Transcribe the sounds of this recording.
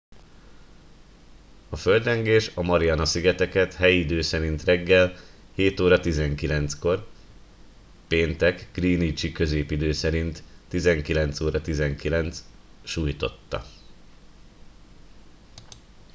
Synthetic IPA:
ɒfø̞ld̪rɛŋɡeːʃɒmɒɾiɒnɒsiɡɛt̪ɛkɛt̪hɛjid̪øːsɛɾint̪rɛɡːɛl | heːt̪oːɾɒt̪izɛŋkilɛnt̪sko̞r | peːnt̪ɛkɡ̥riːnit͡ʃikø̞zeːpid̪øːsɛɾint̪ːizɛŋkilɛnt̪soːɾɒt̪izɛŋkilɛnt̪s | ʃuːjt̪o̞t̪ːɒ̰

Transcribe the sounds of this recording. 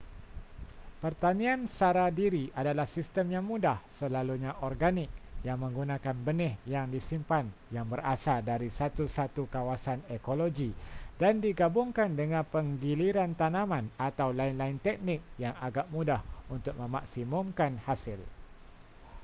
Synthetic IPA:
pərt̪anĩansaɾadiɾiʔadalahsist̪əmjaŋmudahsəlaluɲaʔɔrɡanɪk̚jaŋmə̃ŋɡunãkanbənɪhjaŋdisimpanjaŋbərasardaɾisat̪usat̪ukawasanekoloɡidandiɡabʊŋkandəŋãnpəŋɡiliɾant̪anãmãnat̪awlaɪnlaɪnt̪ɛk̚nɪk̚jaŋaɡaʔmudahunt̪ʊk̚mə̃ma̰ksimʊmkanhasɪl

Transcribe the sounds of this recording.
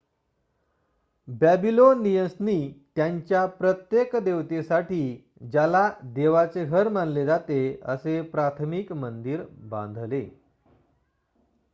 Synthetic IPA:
bæbilonːijəsniːt̪jaɲt͡ɕjapɾət̪jekd̪eʋt̪esaʈiː | d͡ʑalad̪eʋat͡seɡʱəɾmanled͡zat̪eə̰sepɾat̪ʰmikmənd̪iːɾbã̰nd̪ʱle

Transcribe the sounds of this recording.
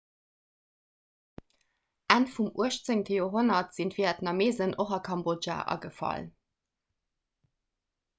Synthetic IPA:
ʔænfumuəʃt͡səŋtʰəjoːɦonɐtz̥intv̥iːɛtnɑmeːzənʔoχɑkʰɑmbod͡ʒa̰ːʔɑ̰ɡəfɑ̰l

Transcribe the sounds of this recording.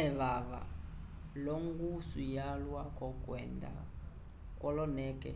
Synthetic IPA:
ɛβaβa̰ | lɔŋɡusujalwakʼɔkʼwɛnd̪a̰ | kʼɔlɔnɛːkʼɛ̰

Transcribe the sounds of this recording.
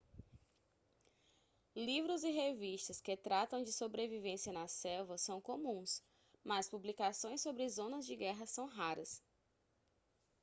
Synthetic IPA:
livɾʊzɪɦeviʃt̪ɐskɪt̪ɾat̪ɐ̃w̃d͡ʒɪsobɾevivẽsiɐnɐsɛwvɐsɐ̃w̃kõmũs | mɐspublikasõj̃sːobɾɪzõnɐzd͡ʒɪɡɛɦɐsɐ̃w̃ɦaɾɐs

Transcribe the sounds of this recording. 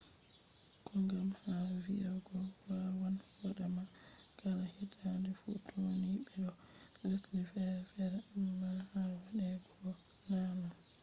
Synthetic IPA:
kʰɔŋɡamhaviʔaɡɔwawanwɔɗama | kalahitʰandɛfṵtʰoniɓɛɗɔ | lislifɛɾfɛɾmalhawaɗɛɡɔɔ | nanam

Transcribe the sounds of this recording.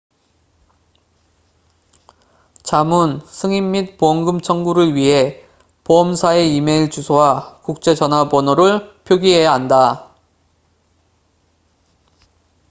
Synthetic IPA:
t͡ɕamunsʰɯŋimːit̚poʌŋɡɯmt͡ɕʰʌŋɡuɾɯɭɥiɦe̞ | poʌmsʰae̞ime̞iɭt͡ɕusʰowakuk̚t͡ɕ͈e̞d͡ʑʌnɦabʌnoɾɯɭpʰjoɡiɦe̞jaɦanda

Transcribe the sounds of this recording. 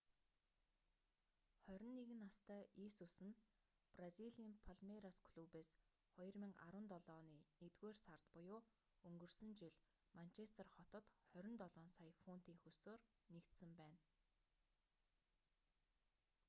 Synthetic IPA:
χœɾʲɪ̆nːeɣɘ̆nast̪œːʔisusɘ̆n | praziɮiːmpʰaɮmeɾaskʰɮuːpeːs | χɔjɞ̆rmĭŋa̰ɾə̆nt̪ɔɮɔːniːnet̪ɡeːrsart̪pʊjʊː | ɵŋɡɵ̆rsɵ̆nt͡ɕiɮ | man̥t͡ɕʰest̪ə̆rχɔt̪ɞ̆t̪χœɾʲɪ̆nt̪ɔɮɔːnsajfun̥t̪iːŋxɵsoːr | nekt̪sɘ̆mpæːn

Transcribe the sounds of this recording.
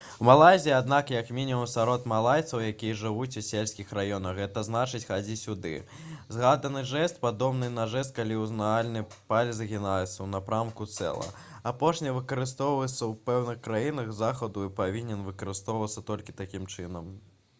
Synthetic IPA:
malˠajzʲijːad̪nakjɐkmʲinʲimumsaɾɔt̪malˠajt̪sɐwjakʲijɐʐɨvut͡sʲusʲelʲsʲkʲixɾajɔnɐxɣɛt̪ɐznat͡ʂɨt͡sʲxad͡zʲisʲud̪ɨ̰ | zɣad̪ɐnɨʐɛst̪̚pad̪ɔbnɨnɐʐɛs̬t̪̚kalʲiuznaalʲnɨpalʲzɐɣʲinajɛt̪sːɐwnɐpɾamkut̪sɛ̰lˠɐ̰ | apɔʂnʲɐvɨkɐɾɨst̪ɔwvɐɨt̪sːɐwpɛwnɨxkɾajinɐɣzaxɐd̪uipavʲinʲɛnvɨkɐɾɨst̪ɔwvɐt̪sːɐt̪ɔlʲkʲit̪akʲimt͡ʂɨnɐm

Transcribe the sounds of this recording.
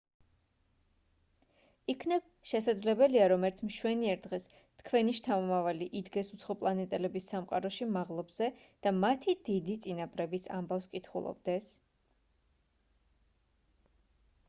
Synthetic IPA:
ikʰnɛb | ʃɛsad̪zlɛbɛliaɾɔmɛɾt̪sʰmʃwɛniɛɾd̪ʁɛs | t̪ʰkʰwɛniʃt̪ʰamɔmavaliʔid̪ɡɛsut̪sʰχɔpʼlˠanɛt̪ʼɛlɛbisːamqʼa̰ɾɔʃimaʁlˠɔbz̥ɛd̪̥amat̪ʰid̪id̪it̪sʼinapʼɾɛbisa̰mbafskʼit̪ʰχṵlˠɔ̰b̚d̪ɛs

